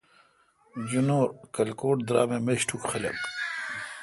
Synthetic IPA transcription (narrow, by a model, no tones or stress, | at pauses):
d͡ʑunoːɾkɐlkoːʈd̪ɾa̰ːmemeɕʈʰukχilɐ̰k